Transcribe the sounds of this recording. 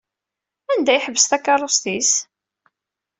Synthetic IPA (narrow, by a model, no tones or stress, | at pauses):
ænd̪æjħəvːəst̪ækːɑɾˤost̪is